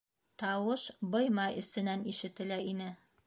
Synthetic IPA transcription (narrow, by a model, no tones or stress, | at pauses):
t̪ɑwɤʃbɤ̆jmɑɘ̆sɘ̆næniʃɘ̆t̪ɘ̆læinɘ